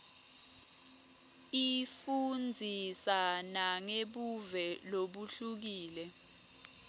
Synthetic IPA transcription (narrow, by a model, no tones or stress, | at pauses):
ifund͡zʱisanaŋeɓuvɛloɓuɬuk̬iːlɛ